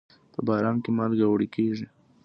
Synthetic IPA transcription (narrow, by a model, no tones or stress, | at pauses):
pəbɑɾɑnkemalɡawɽikeʐi